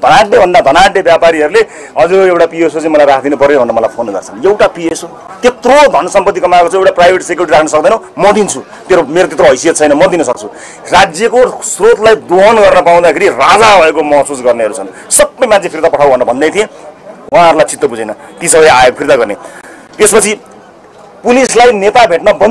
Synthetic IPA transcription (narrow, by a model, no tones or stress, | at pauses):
d̪ʱʌnaʈnebʱʌnd̪ad̪ʱʌnaʈnebjapaɾiɦʌɾule | ɦʌd͡zuɾoewʈapiesot͡sãĩmʌlajɾrakʰd̪inupʌrnobʱʌnːʌmʌlajpʰonɡʌ̰rt͡sʰʌnewʈapieso | t̪et̪rod̪ʱʌnʌsʌmpʌt̪ːikʌmaekot͡sʰãewʈaprajbʱeʈsekjuɾiʈiɾakʰnʌsʌk̚d̪ʌnʌ̃mʌd̪int͡sʰu | t̪eɾomeɾot̪̬et̪roɦʌjsijʌt̪t͡sʰʌjnʌmʌd̪inʌsʌk̚t͡sʰu | rad͡zjʌkosrot̪lajd̪oɦʌnɡʌrnʌpaw̃d̪akʰeɾirad͡zabʱʌekomʌɦsusɡʌrneʌɾut͡sʰʌn | sʌbːʌjmant͡sʰepʰirt̪apʌʈʰawbʌnrʌbʱʌnd̪ejt̪ʰijẽw̃ãɦʌɾulajt͡sit̪ːʌbud͡zenʌt̪isʌbʌjajoɡ̚pʰirt̪aɡʌrne | t̪espʌt͡sʰi | pulislajnet̪abʱeʈnʌbʌ